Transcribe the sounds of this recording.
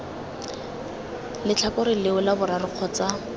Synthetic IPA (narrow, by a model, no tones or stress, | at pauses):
lɪt͡ɬʰakʊɾɪlɪʊlabʊɾarɪq͡χʰɔt͡sa